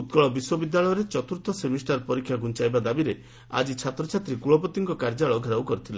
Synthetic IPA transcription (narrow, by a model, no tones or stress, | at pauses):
ut̪kɔɭɔbiswɔbid̪ːaɭɔjɔɾet͡ʃɔt̪uɾt̪ɔsemisʈaɾpɔɾikʰːjaɡunt͡ʃajbad̪abiɾe | a̰d͡ʒit͡ʃʰat̪ɾɔt͡ʃʰat̪ɾikuɭɔpɔt̪iŋkɔkaɾd͡ʒaɭɔɡʱɔɾawkɔɾit̪ʰila